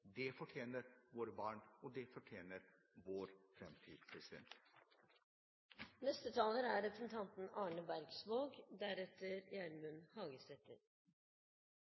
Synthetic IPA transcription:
d̪ɛfɔʈʰjeːnəɾʋoːɾəbɑːɳɔd̪ɛfɔʈʰjeːnəɾ | ʋoːɾfɾɛmt̪ʰiːd̪pʰɾɛsɪd̪ɛ̰nt̪ | nɛst̪ət̪ʰɑːləɾæɾɾɛpɾəsn̩t̪ʰɑnt̪n̩ɑːɳəbæɾɡsʋoːɡd̪æɾɛt̪əɾjæːɳmʉnhɑːɡəst̪ɛt̪ə̰ɾ

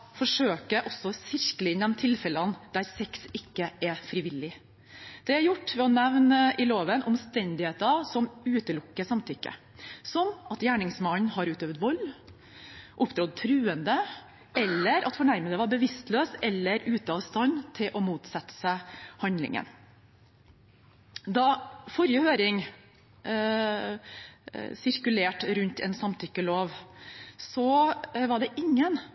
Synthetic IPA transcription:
fɔʂøːkəʔɔsːɔsɪɾkələɪnd̪ɛmt̪ʰɪlfɛlənd̪̥æɾsɛksɪkːəʔɛɾfɾɪʋɪlːɪ | d̪̥ɛæɾjʊʈːʋɛɔnɛʋnəʔɪloːʋənʔɔmst̪ɛnd̪ɪheːt̪ɑʋsɔmʉːt̪əlʊkːəsɑmt̪ʰʏkːə̰ | sɔmɑt̪jæːɳɪŋsmɑnhɑɾʉːt̪øːʋət̪ʋɔlː | ʔʊpːd̪ɾɔd̪̚t̪ʰɾʉːənd̪ə | ɛlːəɾʔɑt̪fɔɳæɾmənd̪əʋɑɾbəʋɪst̪løːsɛlːəɾʉːt̪əɑʋst̪ɑnt̪ʰɪlʔɔmuːt̪sɛt̪ːə̥səhɑnd̪lɪ̰ŋə̰n | d̪ɑfɔɾjəhøːɾɪŋ | sɪɾkʉleːʈɾʉnt̪ʰɛ̰nsɑmt̪ʰʏkːəloːʋ | sɔʋɑɖɛʔɪŋːən

